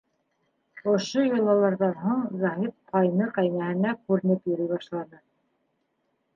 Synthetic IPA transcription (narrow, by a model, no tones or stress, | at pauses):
ŏʃojŏlˠɑlˠɑɾðɑnɦuɴzɑɦit̪̚qʰɑjnɤqæjnæhɘ̆nækʉɾɘ̆nɘpjɵ̆ɾɘjβɑʃlˠɑnɤ